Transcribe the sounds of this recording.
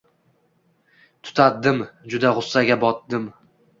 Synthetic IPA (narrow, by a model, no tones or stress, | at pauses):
t̪ʰʊ̥t̪ʰat̪̚d̪ɪmd͡ʒʊd̪aʁʊsːaɡʲabɒt̪̚d̪ɪm